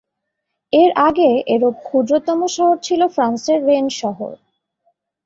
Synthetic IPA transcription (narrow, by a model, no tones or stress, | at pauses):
eɾaɡeʔeɾop̚kʰud̪ɾot̪ɔmoʃɔɦoɾt͡ɕʰilofɾanseɾːenʃɔɦo̰ɾ